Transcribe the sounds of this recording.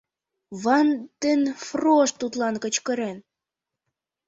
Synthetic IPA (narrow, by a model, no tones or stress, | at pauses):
βɑnt̪ənfroʃt̪ut̪lɑnkə̆t͡ɕkəɾen